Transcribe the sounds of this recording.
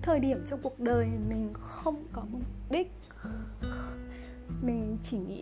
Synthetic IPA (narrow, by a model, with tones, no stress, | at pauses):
t̪ʰəː˨˩jɗi˧˩əmt͡ɕɔ˧wŋ͡mku˨˩ək̚ɗəː˨˩jmï˨˩ŋ̟xə˧wŋ͡mkɔ˨˦mʊ˨˧˩ɗi˦˥k̚ | mï˨˩ŋ̟t͡ɕi˧˩ŋḭ˧˥